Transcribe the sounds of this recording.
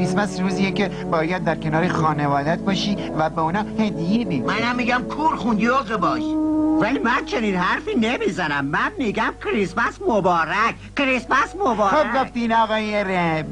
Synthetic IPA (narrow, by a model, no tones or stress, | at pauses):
ismæsɾuːziːjeke | bɒːjæd̪̚ːæɾkʲʰenɒːɾexɒːnevɒːd̪æt̪̚bɒːʃiː | væbeonɒːhed̪ijebemænæmːiɡæmkʰuːɾxund̪oɣebɒːʃvælimænt͡ʃʰe̞niːnhæɾfiːnemizænæmːænmiɡæmkʰɾismæsmobɒːɾækʰ | kɾismæsmobɒːɾxobɡoft̪iːnɒːɣɒːjeɾeb